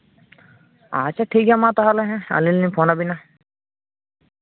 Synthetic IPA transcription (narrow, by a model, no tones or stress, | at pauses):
a̰t͡ʃʰaʈʰikamãt̪ɔɦalɛɦɛ̃a̰lilnipʰɔnabina